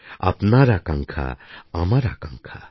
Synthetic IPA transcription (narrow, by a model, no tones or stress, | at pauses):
a̰pnaɾakaŋkʰa̰ːmaɾa̰kaŋkʰa